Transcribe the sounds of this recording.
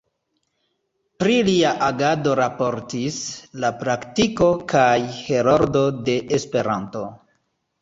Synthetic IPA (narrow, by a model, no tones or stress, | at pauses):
pɾiliaʔaɡado̞ɾapo̞ɾtislapɾaktiko̞kajhe̞ɾoɾdo̞de̞ʔespe̞ɾanto̞